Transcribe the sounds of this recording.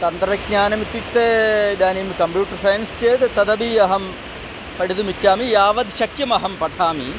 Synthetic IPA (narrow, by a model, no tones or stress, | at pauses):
t̪ɐnd̪ɾɐɡɲaːnɐmit̪jik̚t̪ed̪aːnimkɐmpjuːʈːɐrsɐjɐnst͡ɕeːt̪t̪ɐd̪ɐbiɐɦɐm | pɐɽid̪umit͡ɕːaːmijaːʋɐd̪ʃɐkjɐmɐɦɐmpɐʈʰaːmi